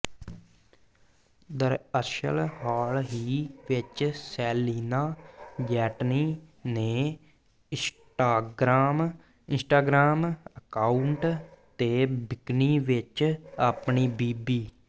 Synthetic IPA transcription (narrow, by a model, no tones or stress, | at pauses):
d̪əɾəʃə̰lɦaːlɦiːʋɪt͡ʃsɛːliːnaːd͡ʒɛːʈniːnẽː | ɪs | ʈaːɡɾaːm | ɪnsʈaːɡɾaːməkaːʊuɳʈt̪eːbɪkniːʋɪt͡ʃaːpɳiːbiːbiː